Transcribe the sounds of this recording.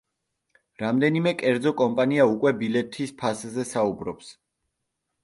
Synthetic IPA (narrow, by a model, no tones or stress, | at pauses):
ɾamd̪ɛnimɛkʼɛɾd̪zɔkʼɔmpʼaniaukʼwɛbilɛt̪ʰispʰaszɛsaubɾɔps